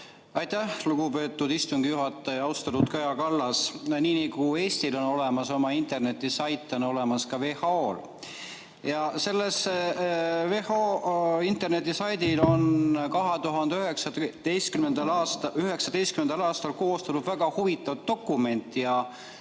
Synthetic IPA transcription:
ɑjt̪æhluɡube̞ːt̪ːˑud̪̥ist̪uŋɡ̥ijuɦɑt̪ːˑɑjɑwst̪ɑt̪ut̪kɑjɑkɑlːɑsniːniɡue̞ːsʲt̪ilo̞no̞le̞mɑso̞mɑint̪e̞rne̞t̪ːˑisɑjt̪ˑːono̞le̞mɑskɑve̞hɑoːl | jɑse̞lːes | vehoint̪e̞rne̞t̪ːˑisɑjd̪ilo̞nkɑɦet̪uɦɑnd̪eyeksɑt̪ejst̪kymend̪̥ɑlɑːtyɦe̞ksɑd̪̥e̞jst̪kymend̪ɑlɑːst̪ɑlko̞ːst̪ɑnud̪væɡ̥ɑhuvit̪ːˑɑvt̪ːo̞kːˑume̞nʲt̪ːˑijɑ

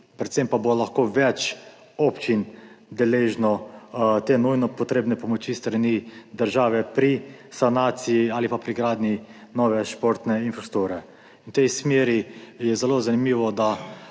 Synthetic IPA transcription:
pɾɛt̪sempabolaxkoːʋɛt͡ʃ | ɔpt͡ʃin | d̪ɛleːʒnɔt̪eːnujnɔpɔt̪ɾeːbnɛpɔmɔt͡ʃist̪ɾanid̪əɾʒaːʋɛpɾisanaːt̪siiaːlipapɾiɡɾaːd̪ninɔʋɛʃpoɾt̪nɛinfɾast̪uɾɛ | nt̪ɛjsmeːɾijɛzɛlozanimiːʋɔd̪a

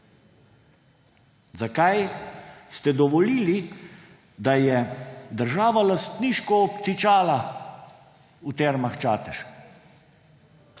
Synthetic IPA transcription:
zakajst̪ɛd̪ɔʋɔliːli | d̪ajɛd̪əɾʒaːʋalast̪niʃkɔːpt̪it͡ʃaːla | ut̪ɛɾmaxt͡ʃaːt̪ɛʃ

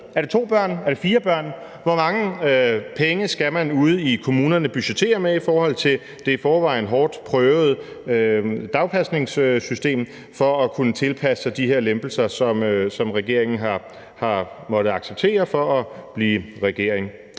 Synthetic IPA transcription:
æɐd̥ɾe̝t͡sʰo̝̰ːb̥ɶɐ̰næɐd̥e̝fiːɐb̥ɶɐ̰n | ʋɒ̽mɑ̈ŋəpʰeŋəsɡ̥æmænuð̞̩ˠikʰo̝muːnɐnəb̥yɕe̥t͡sʰe̝̰ːɐmeifɒːhɒ̽l̰t͡sʰe̝l | d̥e̝fɒːʋɑ̈ɪn̩ɦɒːd̥pʰʁœːʊð̩ˠ | ød̥ɑ̈ʊpʰæsne̝ŋssysd̥e̝̰ːm | fɒ̽ːkʰunət͡sʰe̝lpʰæsəd̥iɦeɐ̰lemb̥l̩sɐsɒ̽msɒ̽mʁɛɡ̥e̝ɐ̰eŋn̩ɦɑ | hɑ̈mɒ̽ɾ̥əɑ̈ɡ̥seb̥̚t͡sʰe̝̰ːɐfɒ̽ɒb̥liːʁɛɡ̥e̝ɐ̰eŋ

